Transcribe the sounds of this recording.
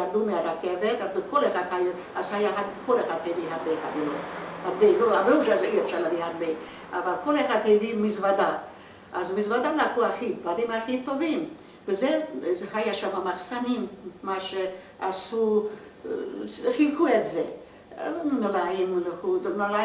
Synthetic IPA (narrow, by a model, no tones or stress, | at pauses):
ad̪umeaɾakevet̪azbekolexad̪haj | azhajaɦad̪kolexad̪hejviɦadbejxa̰bilohad̪belohabeuʃaiefʃaɾlavihad̪be | avalkolexad̪hejdimizvad̪a | ʔazmizvad̪alakuaχidbad̪imaχit̪ovim | vezehajaʃamamaχsanimmaʃe | ʔasu | χilkʰuet̪ze | nolaimulounola